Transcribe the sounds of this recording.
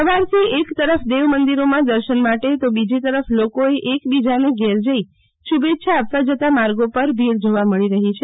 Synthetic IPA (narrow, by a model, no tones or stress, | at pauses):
əʋaɾt̪ʰiekt̪əɾəfd̪eʋmənd̪iɾomãd̪əɾʃənmaʈet̪obid͡ʒit̪əɾəflokoeʔekbid͡ʒaneɡɛɾd͡ʒəi | ʃubet̪ːʃʰaːpʋad͡ʒət̪amaɾɡopəɾbʱiɽd͡ʒoʋaməɭiɾəɦit͡ʃʰe